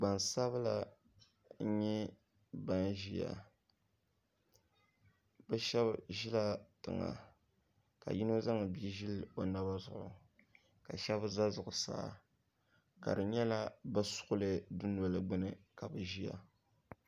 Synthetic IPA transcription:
ɡ͡ba˨nsa˦βɨ˦la˦ | ɲɛ˦ | ba˦nʒi˦ja̰˨ | bɛ˦ʃɛ˦bʒi˦la˦tɨ̰˨ŋa̰˨ | ka̰˨ji˦no˦za˦ŋ˨bi˦ʒi˦lo˨na˦ba˦zʊ˨ʔʊ̰˨ | ka˨ʃɛ˦bza˦zʊ˨ʔʊ˨sa̰ː˦ | ka̰˨dɨ˨ɲɛ˦la˦bɨ˦sʊ̥˦ʔʊ˦lɨ˨dʊ˦n˨ɔ˨lɨ˨ɡ͡bɨ˦nɨ˦ka˨bɨ˨ʒi˦ja̰˨

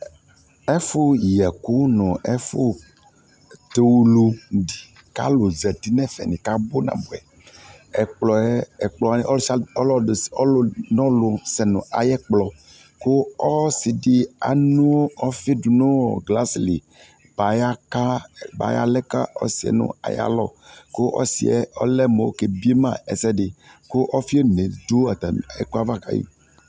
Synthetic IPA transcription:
ɛ˦fo˦jɛ˨ku˦nɔ̃˨ʔɛ˦fo˦ | t̪e˨wu˦lu˦di˨ | ka̰˦lo˨zɛ˨t̪i˦nɛ̃˦fɛ̰˨nĩ˨ka˦bo˦nã̰˨bu˨ɛ̰˨ | ɛ˨k͡plɔ˨ɛ˦ɛ˨k͡plɔ˨ni˦ʔɔ˦lsɔ˦lɔ̥˦˨ɔ˦lnɔ̃˦lo˨sɛ˨nṵ̃˨ʔa̰˨jɛ˦k͡plɔ˨ | ko˦ɔ˦si˨di˨a̰˨nũ˦ɔ˦fi˦du˨nõ˦ɡla˦sli˨ | ba˨ja˦ka˦ba̰˨ja̰˦lɛ˦ka˦ɔ̰˦si˨ɛ̰˨nʊ̰̃˦a̰˨ja̰˦lɔ˦ko˦ʔɔ̰˦sḭ˨ɛ̰˦ɔ̰˦lɛ˦me˨o̰˦ke˨bi˦e˦mã˦˨ɛ̰˨sɛ˦dɪ˨ | ko˦ʔɔ˦fi˦e˦˨ne˨du˦a˨t̪a˨ɛ˨ko˦a˦va˦˨ka̰˨jḭ˦

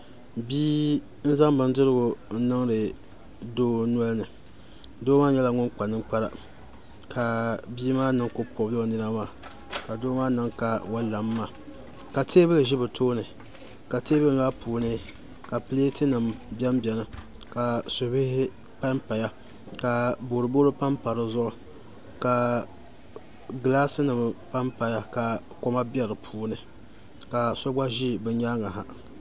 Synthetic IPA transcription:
biː˦ | n̩˦za˦mbɨ˦n˦dɨ˦ɾɨ˦ɡʊ˨n̩˦nɨ˦ŋɾɨ˨ | doː˦nu˦a˦lnɨ˨ | doː˦maː˦ɲɛ˦la˨ŋʊ˦nk͡pa˨nɨ˦ŋk͡pa˦ɾa˨ | kʰa˨biː˦maː˦nɨ˨ŋko˦po˨blo˦nɨ˦ɾa˦maː˦˨ | ka˨doː˦maː˦nɨ˨ŋka˨wa˦la˨mː˦aː˨ | ka˨teː˦bɨ˦lɨ˨ʒɪ˦bɨ˨tʰoː˦nɨ˨ | ka˨teː˦bɨ˦ŋ˦laː˦puː˨nɨ˦ | ka˨pɨ˦le˦tɨ˦nɨ˨mbʲɛ˦mbʲɛ˨nɨ˦ | ka˨so˨bɪ˦hɪ˦ | pa˦mpa˨ja˦ | ka˨bo˨ɾɨ˨bo˦ɾɨ˦pa˦mpa˨ɾɨ˦zʊ˦ʔʊ˦ | ka˨ | ɡɨ˨laː˦sɨ˦nɨ˨m˨pa˦mpa˨ja˦ka˨ko˦ma˦bjɛ˦ɾɨ˨pʰuː˨˦nɨ˨ | ka˨so˦ba˦ʒi˦bɨ˦ɲa˦ŋa˨ɦa˨

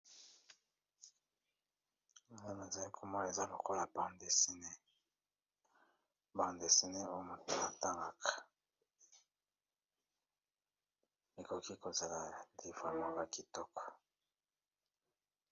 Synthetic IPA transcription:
ne˦me˨za˨li˦kʰo˦mɔ˦˨e˨za˦lo˨ko˦la˨ba˨nde˨si˦ne˦ | ba˨nde˨si˦ne˦o˦jo˦mu˨tu˨ma˨ta˦ŋɡa˦kḁ˨ | e˨ko˨ki˦ko˨za˨la˨di˨fa˦mɔ˦ba˨ki˨tɔ˦kɔ̥˨

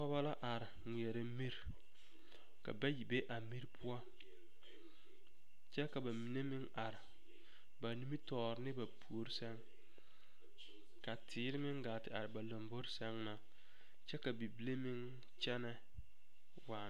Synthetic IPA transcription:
ɔ˦ba˦la˦ʔa˨ɾɪ˨ŋʷi˨ɛ˨ɾɪ˨˦mi˦ɾ | ka̰˨ba˦ji˨be˦ʔa˨mi˦ɾpʰʊu˦a˦ | t͡ʃɛ˦ka˨ba˨mi˨ne˦mɪ˦ŋa˨ɾɪ˨ | ba˨nu˦mi˦tɔː˦˨ɾɪ˦nɪ˦ba˨pʰu˨o˨ɾi˦sɛ˦ŋ | ka˨tʰɪː˨˦ɾɪ˦mɪ˦ŋɡaː˨tɪ˨a˨ɾɪ˨ba˨lo˨mbo˦ɾsɛ˦ŋna˨ | t͡ʃɛ˦ka˨bi˨bi˦le˦mɪ˦ŋ | t͡ʃɛ˦nɛ˦ | waː˨˦

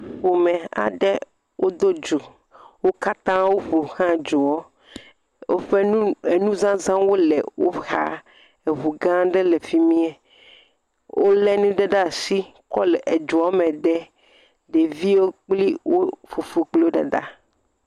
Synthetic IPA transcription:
ɸo˨mɛ̃˨a̰˨ɖɛ˦ | wʔo˦d̪o˦d͡ʒu˨ | wo˦ka˦t̪ã˦wo˦ɸu˨xã˦˨d͡ʒu˨wɔ˦ | wo˦ɸɛ˦e˨nũ˦zã˦zã˦wo˦lɛ˨wo̰˦xa̰˨ | e˨βu˨ɡã˦ɖɛ˦lɛ˨fi˦mĩ˦ɛ˨ | wʔo˦lɛ˦nĩ˦ɖɛ˦ɖa˦si˦ | kɔ˦lɛ˨ʔe˨d͡ʒu˨ɔ˦mɛ̃˨ɖɛ˦ | ɖe˨vi˦wo˦k͡pli˦wo˦fu˨fu˨k͡plo˦ɖɛ̰˨ɖa̰˦

